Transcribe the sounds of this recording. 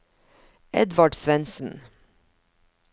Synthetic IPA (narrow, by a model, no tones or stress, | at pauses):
ɛ̰d̪ʋɑɖsʋɛnsn̩